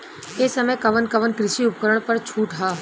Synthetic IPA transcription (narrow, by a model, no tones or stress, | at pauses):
eːsəməjkɐʋənkəʋənkɾɪʃiʊp̚kəɾəɳ̃pɐɾt͡ʃʰuːʈɦaː